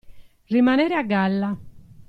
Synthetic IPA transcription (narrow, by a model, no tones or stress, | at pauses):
rimanɛːɾɛaɡːalːa